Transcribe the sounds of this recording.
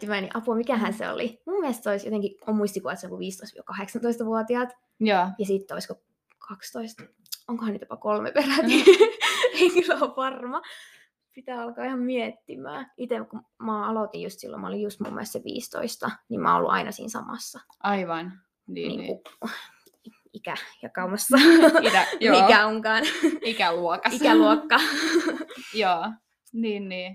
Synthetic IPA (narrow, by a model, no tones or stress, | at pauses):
imæːnḭʔɑpuɑmikæˑhænsḛo̰limumːiɛlst̪seoisjo̰t̪eŋkiomːuist̪ikuʋɑˑtseiŋkuʋiːst̪oist̪ʋkɑheksɑnt̪oist̪ɑʋuɑt̪iɑˑt̪ | jːjɑsit̪ːeoisko | kʰɑkst̪oist̪ | oŋkohɑnit̪jopɑkolmḛperæni | eikylːopɑrmɑ | pit̪æːɑlkɑːihɑmmiet̪ːimˑæ̰ːit̪emku | mɑːɑlot̪ijjust̪silːo̰mɑolijjust̪mṵmːḛlst̪seʋḭːst̪o̰ist̪ɑnimʔɑ̰ːo̰lːṵʔɑ̰inʔɑsḭːnsɑ̰mɑ̰sːɑ | ʔɑiʋɑn | niːniːŋ̰ːṵ | ikæjɑkɑumɑsːɑt̪æjmikæoŋkɑːnikæluɔkɑiæluokːɑ | joː | niːnniː